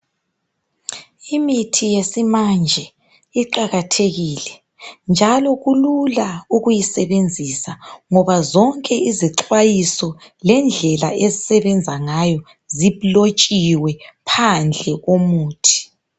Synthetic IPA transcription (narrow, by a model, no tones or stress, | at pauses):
imitʰijesimand͡ʒʱɛ | iǃaɣatʰeɣiːlɛ | nd͡ʒʱalɔɣululauɣujisɛβend͡zʱisaŋɔβazɔŋkʼɛiziǁwajisɔlɛnd͡ɮʱɛla̰ʔezisɛβɛnd͡zʱaŋajɔ | ziβlot͡ʃʼiwɛpʰand͡ɮʱɛɣomuːtʰi̥